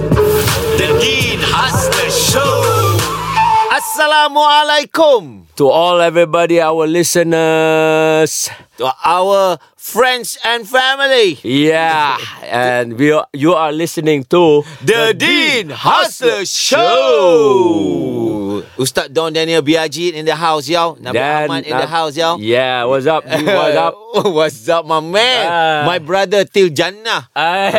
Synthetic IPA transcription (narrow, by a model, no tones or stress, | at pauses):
dədĩnhasləʃo | asalamualejkʊ̃mtuɔlɛvɹibɔdiawəlisənə | stuʔawə | fɹɛ̃ndsɛ̃nfɛmilijɛ | ɛ̃nwijualɪsənɪ̃ŋtudədinhasləʃo | ust̪at̚dãndɛniəlbiad͡ʒinĩndəɦaws̬jawnãamãtĩndəɦaws̬jawjɛwɔzap̚wɔapwɔtsap̚mamɛ̃nmajbɹadət̪ild͡ʒanaa